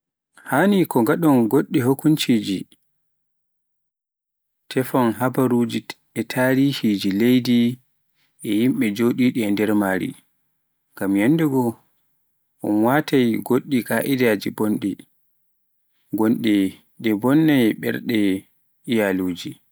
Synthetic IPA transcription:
hanikɔɡaɗɔnɡoɗːiɦokːunt͡ʃid͡ʒi | tʰɛfɔnɦabaɾud͡ʒi | ɛtʰaːɾihid͡ʒilejdi | ʔɛjimɓɛd͡ʒoɗiɗiɛndɛɾmaːɾḭ | ŋɡamjanːdɛɡɔ | ʔɔnwatajɡoɗːikaʔidad͡ʒibonɗɛ | ɡonɗɛ | ɗɛbɔnːajɓɛ̰ɾɗɛ | ijaluːd͡ʒi

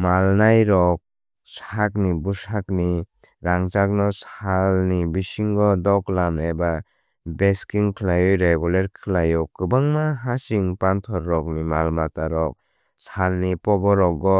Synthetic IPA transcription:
malnajɾɔk̚ | sak̚nibusakni | ɾaŋt͡ʃak̚nɔsalnibisiŋɡɔdɔklamnajba | beskiŋkʰlajɔjɾeɡuleɾkʰɯlajɔkːɯbaŋmaɦasiŋpantʰɔɾːɔk̚nimalmataɾɔk̚ | salnipɔbɔɾɔkɡɔ

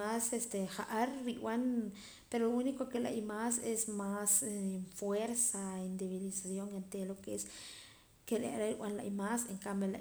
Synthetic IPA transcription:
asest̪exaʔaɾːiwan | peɾoounikokela̰jmasesmasfweɾsaind̪eβilisasjoŋent̪elokees | kela̰ɾaɾiwʷa̰nla̰jmaseŋkambela̰

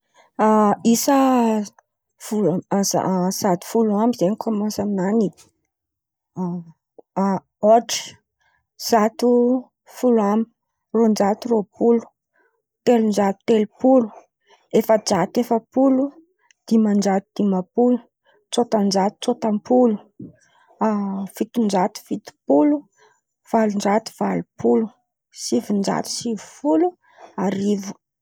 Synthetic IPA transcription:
aisə | fuza̰sat̪u̥fuluambizeɲikʰomasannani | oʈ͡ʂi̥ | z̥at̪u | fuluami̥ | rond͡ʒat̪uropulu̥ | t̪elund͡ʒat̪u̥t̪elupulu̥ | efəd͡ʒat̪efəpulu | d̪̥imand͡ʒat̪ud̪̥imapulu̥ | t͡sot̪and͡ʒat̪u̥t͡sot̪ampʰulu̥ | v̥it̪und͡ʒat̪u̥v̥it̪u̥pulu | v̥alund͡ʒat̪u̥v̥alupʰulu | sivind͡ʒa̰t̪u̥sivu̥fulu | aɾivu̥

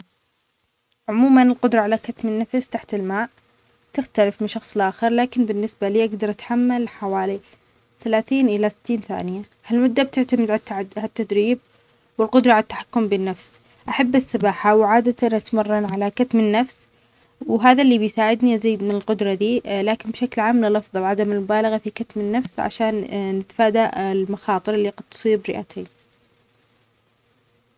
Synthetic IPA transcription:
ʕʊmuːmanɪlqʊd̪ɾˤɑʕalakat̪mɪnːafst̪aħt̪ɪlmaːʕ | t̪ɪxt̪alɪfmɪnʃɑxsˤlʔaːxɨɾˤlaːkɪnbɪnːɪsbaliːʔaɡd̪ɑɾˤʔat̪ħamːalħawaːli | θalaːθiːnʔɪlasɪ̥t̪ːiːnθa̰ːnɪja | halmʊd̪ːab̚t̪ɪʕt̪amɪd̪ʕaʕat̪ːad̪ɾiːb̚ | wɪlqʊd̪ɾˤɑʕalat̪ːḁħḁkːʊmbɪnːafs | ʔaħabːɪsːɨbaːħawʕaːd̪at̪anʔat̪mɑrˤːɑnʕalakat̪mɪnːafs | wɦaːðalːiːbɪjsaːʕɪd̪niʔaziːd̪mɪnɪlqʊd̪ɾˤɑd̪iːlaːkɪnbʃaklʕaːmnɪlɑfðˤɑwʕad̪amɪlmʊbaːlaɣafikat̪mɪnːafsʕa̰ʃaːnːɪt̪faːd̪aʔɪlmaxɑːt̪ˤɨɾˤɪlːiqɑd̪̚t̪sˤiːbɾɪ̰ʔa̰t̪ʰeːn

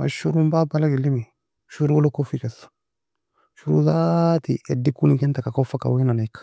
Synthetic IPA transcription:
ma̰ʃuɾũmbabalaɡilimi | ʃuɾuwolokofikɛsḁ | ʃuɾṵzatḭedikunĩkɛntakakofaka̰wenanaikḁ

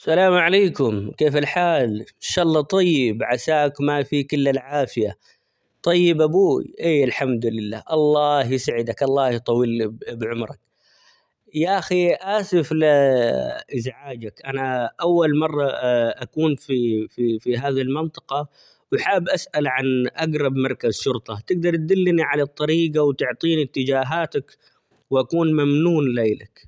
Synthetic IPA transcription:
salaːmʕaleːkʊmkeːfalħaːlʃɑʔlˤːɑt̪ˤɑjːɪbʕasaːkmafiːkɪlːalʕaːfɪja | t̪ˤɑjːɪbʔabṵːʔeːalħamd̪lɪlːa̰ːʔɑlˤːɑːhjɪsaʕɪd̪akʔɑlˤːɑːhjt̪ˤɑwiːlbʕʊmɾˤɑk̚ | jaʔaxiʔaːsɪfl | ʔɪzʕaːd͡ʒakʔanaʔawːalmɑrˤːɑʔakuːnfififiɦaːðilmɪnt̪ˤɑ̥qɑ | wɪħaːbʔasʔalʕanʔaɡɾˤɑbmɑɾˤkazʃʊɾt̪ˤɑt̪ɪɡ̚d̪ɑɾˤt̪̚d̪ɪlːniʕalɑt̪ˤːɑɾiːɡawt̪ʊʕt̪ˤiːnɪt̪ːɪd͡ʒaːɦaːt̪ak | wʔakuːnmamnuːnleːlak

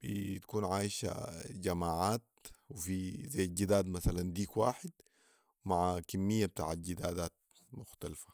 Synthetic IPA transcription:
b̥it̪ḁkuːnʕaːjʃa̰d͡ʒamaːʕaːt̪̚wifizajːd͡ʒid̪aːd̪masaland̪iːkwaːħɪd̪ | wmaʕakimːijːab̚t̪a̰ːʕat̪̚d͡ʒid̪aːd̪aːt̪̚ | mʊxt̪alfḁ

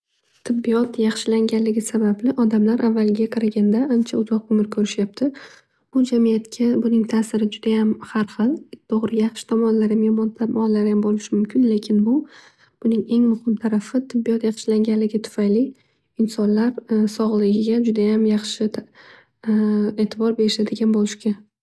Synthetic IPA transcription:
t̪ʰɪbːijɒt̪jɑχʃɪlaŋɡʲanlɪɡʲɪsabablɪʔɒd̪amlaɾʔavːalɪɡʲaqʰɑɾaɡʲand̪aʔant͡ʃʰaʊzɒqomɪɾkʲʰɵɾɪʃjap̚t̪ʰɪ | b̥ʊd͡ʒamijat̪kʲʰabʊnɪŋt̪ʰaːsɪɾɪd͡ʒʊd̪̥ajamhaɾχɨlˠt̪ʰoʁɾɪɡʲajɑχʃɪ̥t̪ʰɒmɒnlaɾɪmehmɒnt̪ʰamɒnlaɾɪjambolɪʃɪmʊmkʲʰɪnle̞kʲʰɪnbʊ | b̥ʊnɪŋe̞ŋmʊhɪmt̪ʰaɾafɪt̪ʰɪbːijɒt̪jɑqʃlaŋʲanlɪɡʲat̪ʰʊ̥fajli | ɪnsɒnlaɾsɒʁlˠɪɡʲɪɡʲad͡ʒʊd̪ajamjɑχʃɪ | e̞ːt̪ʰɪbɒɾbe̞ɾɪʃad̪ɪɡʲanbolɪʃkʲʰa

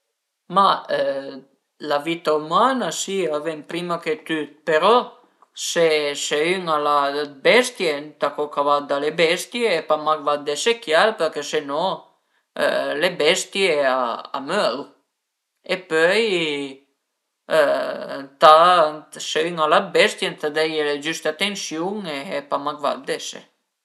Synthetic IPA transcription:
maø | lavit̪aumanasiavenpɾimaket̪yd̪̚peɾɔ | seseyŋalabɛst̪jent̪akokavad̪ãlebɛst̪jeːpamakvat̪̚d̪esekjalpeɾkesenɔ̰̃ | lebɛst̪jeaa̰mœl | epœj | t̪a | seyŋalabɛst̪jent̪ad̪ɛjeled͡ʒyst̪at̪ensjuŋepamakva̰d̪̚d̪ɛsḛ

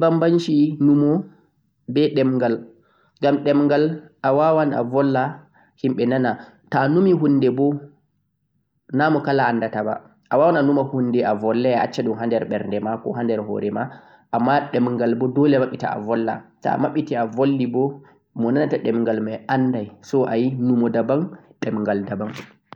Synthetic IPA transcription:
bambanʃinumɔ | bɛɗɛmŋɡal | ŋɡamɗɛmŋɡalawawanʔa̰vɔlːa | himɓɛnana | tanumiɦunːdɛbɔ | namɔkalaːnːdataba̰ | ʔawawananumahunːdɛavɔlːɛaat͡ʃːaɗumɦandɛɾɓɛɾndɛmakɔ̰ɦandɛɾɦɔ̰ɾɛma | ʔamːaɗɛmŋɡalbɔdɔlɛmaɓːita̰a̰vɔlːa̰ta̰maɓːitiavolːibɔ | mɔnanataɗɛmŋɡalmɛʔandajsɔʔajinumɔdabaŋɗɛmŋɡaldabaŋ

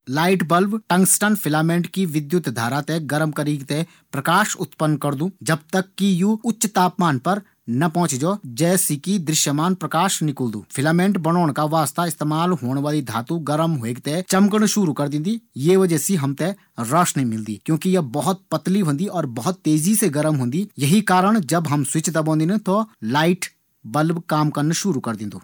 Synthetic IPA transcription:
laːɪʈbəlʋʈɐ̃ŋɡsʈanpʰɪlaːmẽːɳʈkiʋɪd̪jʊt̪d̪ʱaːɾat̪eɡɐɾmkəɾikt̪e | pɾɐkaːʃʊt̪pənːkɐɾd̪ũːd͡ʒɐb̚t̪əkːijuʊtːʃt̪aːpmaːnpɐɾ | nɐpɔ̃ɦʊ̃t͡ʃd͡ʒoːd͡ʒɛːsikid̪ɾɪʃjəmaːnpɾɐkaːʃnɪkəld̪ṵ̃ːpʰɪlaːmẽːɳʈbɐñoːɽ̃kaʋaːst̪aɪst̪eːmaːlɦoːɽ̃ʋaːlid̪ʱaːt̪ũɡɐɾəmɦoeːkt̪et͡ʃɐmkəɽ̃ʃʊɾukɐɾd̪ɪ̃nd̪ijeʋɐd͡ʒɛːsiɦɐmt̪e | ɾaːʃnemɪld̪ḭːkjõːkijɐbɐɦʊt̪̚pɐt̪liɦõːnd̪iɔːɾbɐɦʊt̪ːeːziseɡɐɾmɦõːnd̪ijɐɦikaːɾəɽ̃d͡ʒɐbɦɐmswɪt͡ʃt̪ɐbõːnd̪int̪olaːɪʈ | bɐlbkaːmkɐɾnʃʊɾukɐɾd̪ɪ̃ːnd̪oː

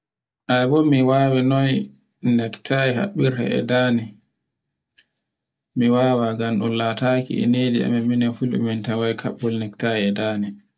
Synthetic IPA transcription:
ʔajbɔmiwaːwɛnɔj | nɛktʰajiɦa̰ɓːiɾhɛ̰ʔɛ̰daːni | miwaːwaɡamɗulaːtaːkḭɛ̰neːdia̰mɛminafulṵmintawajkʰaɓːɔlnɛktajiɛdaːni

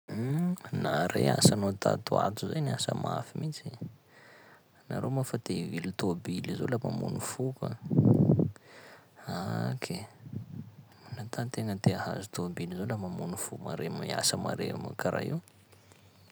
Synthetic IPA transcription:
naɾeasanot̪ʰa̰t̪ua̰t̪uzajnasəmafimit͡si | naɾʔomafat̪evilut̪obilizolamamunufuka̰ | akʰe | nat̪at̪eŋət̪eaha̰zut̪obilizolamamunufuma̰ɾemaia̰səmaɾema̰kaɾa̰iw

